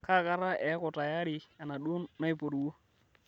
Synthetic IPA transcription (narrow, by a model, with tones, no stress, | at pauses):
ka˦˨ka˦ɾa˦ʔɛ˨˦kɔ˨ta˨ja˦ɾɪ˨a˨na˨ɗo˦nːa˦ɪ˨po˨ɾwo˦